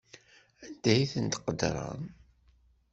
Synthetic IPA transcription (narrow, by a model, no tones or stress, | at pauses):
ænd̪̥æjiθənt̪qəd̪ɾˤɑ̰n